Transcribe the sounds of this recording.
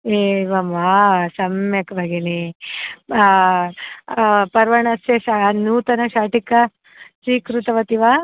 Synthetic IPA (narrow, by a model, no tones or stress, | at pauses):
eːʋɐmʋaːsɐmjɐkɐbʱɐɡene | pɐɾʋɐɳɐseʃanuːt̪ɐnɐʃaːʈikːɐ | t͡ʃiːkɾut̪ɐʋɐt̪iʋa